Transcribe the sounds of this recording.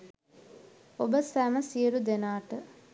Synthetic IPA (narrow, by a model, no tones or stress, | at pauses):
obəsæməsijəɾud̪enaːʈə